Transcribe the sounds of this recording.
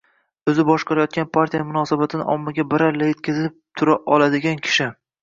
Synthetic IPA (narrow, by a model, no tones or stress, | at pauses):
ɵzɪbɒʃqɑɾajɒt̪̚kʲanpʰaɾt̪ʰʲijamʊnɒːsabat̪ʰɪnɪ̰ʔɒmːɪɡʲabɪɾaɾlajet̪̚kʲʰazp̚t̪ʰʊɾaʔɒlˠad̪ɪɡʲankʲʰɪ̥ʃɪ